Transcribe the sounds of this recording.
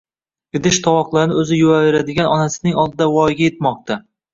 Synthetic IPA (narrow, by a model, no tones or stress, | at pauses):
ɡ̥ʲɪd̪ɪʃt̪ʰɒwɒqlˠaɾɪnɪɵzɪjʊaveɾad̪ɪɡʲanɒnasɪnɪŋɒlˠd̪ɪd̪awɒjɡʲajet̪mɒq̚t̪a